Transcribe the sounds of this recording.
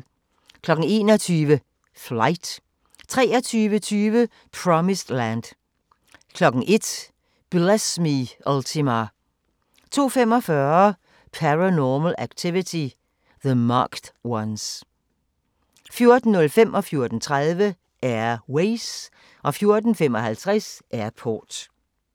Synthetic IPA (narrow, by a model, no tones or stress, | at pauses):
kʰlɒ̽ɡ̥n̩e̝ːnɒt͡sʰyːʋə | flɑɪd̥ | t͡sʰʁɛ̰ːɐt͡sʰyːʋət͡sʰyːʋə | pʰʁɒmisd̥lænd̥ | kʰlɒ̽ɡ̥n̩ʔe̝d̥ | b̥lesmiʔælt͡sʰimɑ | t͡sʰo̝̰ːfem̰ɒfɶːɐ | pʰæʁænɔːməlæɡ̥̚t͡sʰiʋit͡sʰi | ðəmɑ̰ːɡ̥d̥wɑns | fjo̝ɐd̥n̩ːɔ̽lfemʔɒ̽fjo̝ɐd̥n̩t͡sʰʁaðˠʋə | ʔæɐweɪs | ʔɒ̽fjo̝ɐd̥n̩femɒ̽hælt͡sʰʁɛsʔæɐ̰pʰɔ̰ːd̥